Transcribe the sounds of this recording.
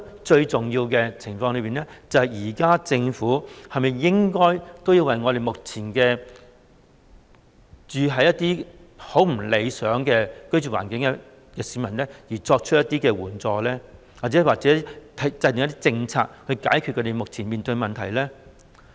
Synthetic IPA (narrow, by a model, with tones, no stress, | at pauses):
t͡ʃɵ˧ɥt͡sʊ˨ŋjiː˧wkɛː˧t͡sʰɪ˨˩ŋfɔː˧ŋlɵ˨˧piː˨nlɛ˥t͡sɐ˨˧hɐ˨jjiː˨˩kaː˥t͡sɪ˧ŋfuː˨˥hɐ˨jmɐ˨˩jːɪ˥ŋkɔː˥jt̪o˥wji˧wɐ˨jŋɔː˨˧ɾe˨jmʊ˨k̚t͡sʰiː˨˩nkɛː˧ | t͡ʃyː˨ɦɐ˨˧jɐ˥t̪̚iː˥ | ho˨˥wm̩˨˩le˨˧jsœː˨˥ŋkɛː˧kɵ˥ɥt͡ʃy˨˩wa̰ː˨˩nkɪ˨˥ŋkɛ˧ | jɐ˨˧siː˨˥mɐ˨˩nlɛː˥jiː˨˩t͡sɔː˧k̚t͡ʃʰɵ˥t̚jɐ˥t̪ːiː˥kɛː˧wuː˨˩nt͡sɔː˨˧lɛː˥ | wa˨t̚t͡sɛː˨˥˧waː˨k̚t͡sɛː˨˥i˥t̪ʰɐ˨˥t͡sɐ˧jt̪ʊ˨ŋjɐ˥t̪iː˥t͡sɪ˧ŋt͡sʰa̰ː˧k̚hɵ˧kaː˨˥jkʰy˨t̚kʰø˨˧˥te˨jmʊ˨k̚t͡sʰiː˨˩nmiː˨nt̪ɵ˧ɥmɐ˨˩nt̪ʰɐ˨˩jlɛː˥